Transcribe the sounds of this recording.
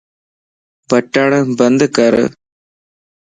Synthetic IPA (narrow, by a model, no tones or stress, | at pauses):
bɐʈːaːɳɨbɐnd̪ɨkɐɾɨ̰